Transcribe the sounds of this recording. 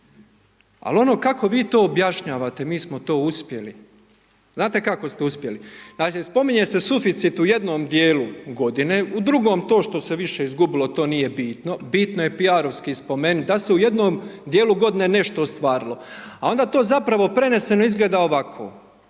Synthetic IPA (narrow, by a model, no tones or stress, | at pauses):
a̰lo̞no̞ːkako̞ʋiːt̪o̞ːbjaʃɲaːʋaːt̪e̞miːsmot̪o̞ːuspje̞li | znaːt̪e̞kako̞st̪euspje̞linaːkispo̞miɲe̞sesufit̪sit̪uje̞d̪noːmd̪jeːluɡo̞d̪ine̞ːud̪ɾuɡo̞ːmt̪o̞ːʃt̪o̞seʋiʃe̞izɡubilo̞t̪o̞ːnije̞biːt̪no̞biːt̪noje̞piaɾo̞ʋskiːspo̞me̞nut̪̚d̪ase̞uje̞d̪noːmd̪jeːluɡo̞d̪ine̞ːne̞ʃt̪o̞st̪ʋaːɾilo̞ao̞nd̪aːt̪o̞ːzapɾaʋo̞pɾe̞ne̞se̞no̞izɡled̪aoʋakʰo̰ː